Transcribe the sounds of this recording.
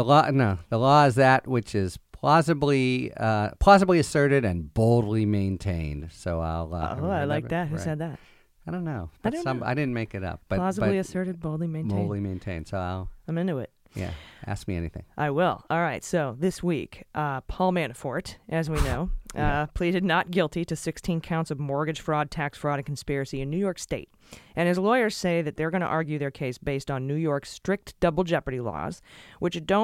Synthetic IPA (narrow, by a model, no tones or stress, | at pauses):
ðəlɔnoʊðəlɔɪzðɨt̚wɨt͡ʃɪz̥pʰl̥ɑsɨbliʌpʰɑsəbliɨsɜ˞ɾɨɾɨ̃nboʊlˠdˡlimẽɪ̃ntʰḛ̃ɪ̃nd̥soʊa̰ɪlˠʌ̰oaɪlaɪk̚ðɨt̚hʉsɛd̪̚ðæt̚ | aɪdõʊ̃nːoʊaɪdɪnʌ̃ma̰ɪdɪdⁿn̩meɪkɨɾʌ̰p̚b̥ʌɑssəbʌblˠiɨsɜ˞ɾɨd̚boʊlˠdˡlimẽɪ̃btʰõʊlˠdˡlimẽɪ̃ntʰẽɪ̃nd̥soʊaɪlˠãɪ̃mɪ̃ntuɪ̰t̚ | jæ̰ʔæ̰sk̚miɛ̰nḭθɪ̰̃ŋʔaɪwɪ̰lˠɔlˠɹaɪtsoʊðɪswḭkʔpʰɔlˠmæ̃nɨfɔɹɾʔɨzwinoʊpʰl̥iɾɨdⁿnət̚ɡ̥ɪlˠtiɾɨsɪkstʰĩnkʰãʊ̃ntsʌvmɔɹɡɨd̥ʒ̥fɹɔd̚tʰæksfɹɔɾɨ̃n̩kʰn̩spɪɹɨsiɨ̃nːʉjɔɹksteɪɾ | ʔɨ̃ñɨzlɔɪə˞z̥seɪðɨt̪̚ðə˞ɡʌñə̰ʔɑɹɡjʉðə˞kʰeɪsb̥eɪstn̩nʉjɔɹkstɹ̥ɪk̚td̥ʌbl̩ˠd͡ʒɛpɹəɾilɔ̰z̥wʔɨt͡ʃd̥õʊ̃